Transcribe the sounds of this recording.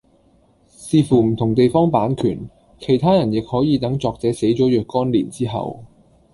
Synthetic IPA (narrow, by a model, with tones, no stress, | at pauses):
siː˧fuː˨˩m̩˨˩t̪ʰʊ˨˩ŋt̪e˨jfɔː˥ŋpaː˨˥nkʰyː˨˩n | kʰe˨˩jt̪ʰaː˥jɐ˨˩njɪ˨k̚hɔː˨˥jiː˨˧t̪ɐ˨˥ŋt͡sɔː˨k̚t͡sɛː˨˥se˨˥jt͡sɔː˨˥jœː˨kːɔː˥nlḭː˨˩nt͡siː˥ɦɐ̰˨w